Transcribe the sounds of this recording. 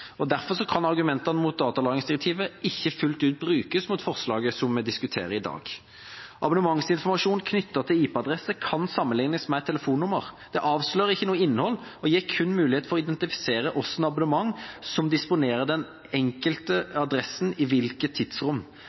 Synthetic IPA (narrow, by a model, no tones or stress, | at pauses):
ɔd̪æɾfɔʁʂɔkʰɑnɑʁɡʉmɛnt̪ɑnəmʊt̪̚d̪ɑːt̪ɑlɑːɡɪŋsd̪ɪɾɛk̚t̪ʰiːʋəɪçːəfʉlt̪ʉːt̪̚bɾʉːkəsmʊt̪fɔʁslɑːɡəsɔmmɛd̪ɪskʉt̪ʰḛːɾəɪd̪ɑ̰ːɡ̥ | ʔɑbʊnəmɑŋsɪnfɔmɑʂuːnkʰnʏt̪ːət̪ʰɪliːpɛɑd̪ɾɛsːəkʰɑnsɑmːənlɪŋnəsmɛt̪ʰɛləfuːnːʊməɾd̪̥ɛʔɑːʋsløːɾɪçːənuːəɪnːəhɔlːɔjeːʁkʰʉnːmʉːlɪeːt̪fɔʁɔɪd̪ɛnt̪ɪfɪ̥seːɾəʔɔsːnɑbʊnəmɑŋːsɔmd̪ɪspʊneːɾəd̪ɛn | ɛŋkəlt̪əɑd̪ɾɛsnɪʋɪlkət̪ʰːɪd̪sʁʊmː